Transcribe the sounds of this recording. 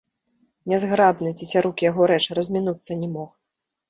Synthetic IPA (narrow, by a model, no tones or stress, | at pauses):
nʲɛzɣɾabnɨt͡sʲisʲaɾukjaɣɔɾɛt͡ʂrɐzʲmʲinut̪sːɐnʲɛmɔx